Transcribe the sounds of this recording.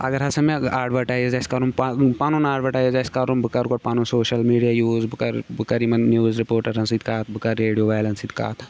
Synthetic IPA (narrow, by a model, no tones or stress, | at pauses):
ɐ̰ɡɐɾɦɐsɐmeaːɖʋɐʈaːjzɐskɐɾumpapanunaːɖʋɐʈaːjzɐskɐɾumbɨkɐɾɡoʈ̚paːnũsoːʃɐlmiːɖijaːjuːzbɨkɐɾbɨkɐɾimɐnnjuːzɾipoːɾʈɐɾɦɐ̃nsiːd̪̚kaːt̪bɨkɐɾːeːɖijoʋaːlɐnsid̪ka̰ːt̪ʰ